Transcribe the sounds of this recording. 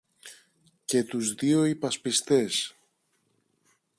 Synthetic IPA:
ce̞t̪uzðio̞ipɐspist̪e̞s

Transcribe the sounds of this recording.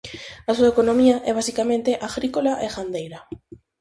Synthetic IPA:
asuaekonomiaʔɛβasikamẽnt̪eʔaɣɾikolaʔexand̪ejɾa

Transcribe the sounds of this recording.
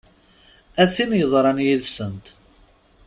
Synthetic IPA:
æθinjəðˤɾˤɑnjiðsənt̪

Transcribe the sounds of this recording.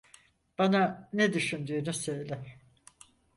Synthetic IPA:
b̥ananed̪yʃynd̪yːnusøjlʲɪ

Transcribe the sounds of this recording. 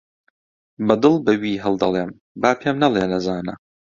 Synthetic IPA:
bɐd̪ɨlˠbɐwiːɦɐlˠd̪ɐlˠeːm | baːpʰeːmnɐlˠeːnɐzaːnɐ̰

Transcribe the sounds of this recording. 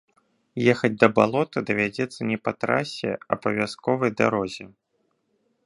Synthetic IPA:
jɛxɐd͡zʲd̪ɐbalˠɔt̪ɨd̪ɐvʲad͡zʲɛt̪sːɐnʲɛpɐt̪ɾa̰sʲɛ̰ɐbɐvʲaskɔvɐjd̪a̰ɾɔzʲɛ

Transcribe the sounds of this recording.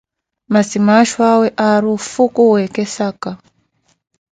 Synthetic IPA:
masimaʃwaweʔaɾufukuwekesaka

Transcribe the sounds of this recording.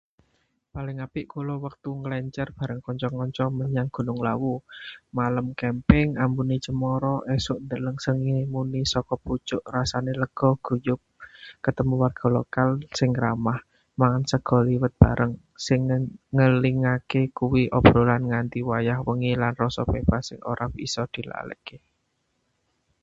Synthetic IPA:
palɪŋapɪʔkulɔwək̚t̪uŋəlɛɲt͡ʃərb̥a̤ɾəŋkɔɲt͡ʃɔŋɔɲt͡ʃɔməɲaŋɡ̥ṳnʊŋlawumaləmkɛmpɪŋambunit͡ʃəmɔɾɔʔɛsʊʔnd̪ələŋsəŋimunisɔkɔput͡ʃʊʔrasaneləɡ̥ɔhɡ̥ṳjʊk̚kət̪əmuwarɡ̥ɔ̤lokalsɪŋɾamah | maŋansəɡ̥ɔ̤liwət̪̚b̥a̤ɾʔəŋ | sɪŋːəliŋakekuwiʔɔb̥ɾolanŋant̪iwajahwəŋilanrɔsɔpeb̥asɪŋo̰ɾʔapḭsɔd̪̥i̤la̰lə̰ke

